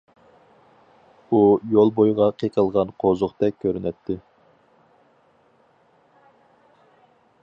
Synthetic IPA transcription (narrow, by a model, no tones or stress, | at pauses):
ujolˠbojʁɑqʰeqʰəlˠʁɑnqʰozʊqt̪ɛk̚ʲkʲʰːøɾynɛt̪ʰːɪ